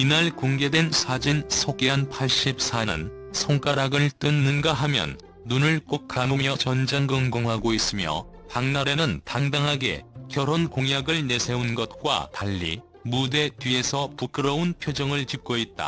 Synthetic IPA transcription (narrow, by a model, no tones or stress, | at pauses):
inaɭkoŋɡe̞dwe̞nsʰad͡ʑinsʰoɡeanpʰaɭɕ͈ip̚s͈anɯ̰n | sʰoŋk͈aɾaɡɯɭt͈ɯnːɯnɡaɦamjʌ̰nː | unɯɭk͈ok̚k͈amomjʌt͡ɕʌnd͡ʑaŋɡɯŋɡoŋɦaɡois͈ɯmjʌ̰ | paŋnaɾe̞nɯntaŋdaŋɦaɡe̞̰kjʌɾonkoŋjaɡɯɭne̞sʰe̞unɡʌt̚k͈wa̰taʎːḭ | mude̞tɥie̞sʰʌpuk͈ɯɾʌunpʰjod͡ʑʌŋɯɭt͡ɕip̚k͈oit̚t͈a̰